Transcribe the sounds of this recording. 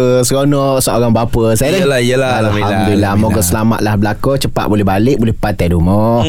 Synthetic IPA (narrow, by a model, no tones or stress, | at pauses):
əskonɔʔsəoɾaŋbapəsajalaəalaabilamoɡəsəlama̰t̪̚lahbəlakɔt͡ʃəpa̰ʔ̪̚bolɛɦbalɪk̚bolɛhpat̪adumɔ